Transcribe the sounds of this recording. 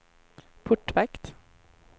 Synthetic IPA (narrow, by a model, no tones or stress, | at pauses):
pʰʊʈːʋɛkt̪